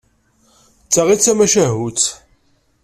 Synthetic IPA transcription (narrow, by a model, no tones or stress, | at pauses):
t͡sːaʁit͡sːæmæʃæɦut͡s